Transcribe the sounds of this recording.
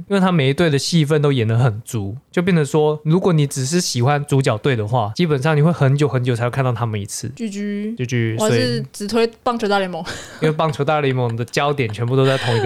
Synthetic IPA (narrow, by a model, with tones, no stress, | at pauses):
i˥nwe˥˩ɪa˥me˨˩ɪi˧˥t̪we˥˩ɪd̪ə˩ɕi˥˧fə˥˨nt̪o˥ʊjɛ˨˩nə˧˦xə˨˩nt͡su˧˦t͡ɕjo˥˧p̬jɛ˥˩nə˨˩˦ʂwɔ˦˥ɻu˧˥kwɔ˨˦ni˨˧˥ʈ͡ʂɻ̩˨˩ʂ̬ɻ̩˥˩ɕi˨˩xwa˦nt͡su˧˥t͡ɕjɑ˨˩ʊt̪we˥˩ɪd̪ə˩xwa˥˩t͡ɕi˦˥pə˨˩nʂɑ˥˩ŋni˨˩xwe˥˩ɪxə˧˥nt͡ɕjo˨˦xə˧˦nt͡ɕo˨˩˧wkʰt̪t̪ʰa˥mə˨nḭ˧˥t͡sʰɹ̩˥˩t͡ɕy˥˩t͡ɕy˧˥t͡ɕo˥˧t͡ɕʰy˥˧sa˨˥˩t͡sɻ̩˨˩t̪ʰwe˥ɪpɑ˥˧ŋt͡ɕʰt̪a˥˩lmʊ˨˦ŋi˥nwe˥˧ɪpɑ˥˩ŋʈ͡ʂʰo˧˥t̪a˥˧˩lə˧i˥˩mʊ˨˩ŋd̪ə˨t͡ɕjɑ˥˦ʊt̪jɛ˨˩nt͡ɕʰɥɛ˧np̬u˥˧t̪o˥ʊt͡sa˥˩ɪt̪ʰo˧˥ŋi˧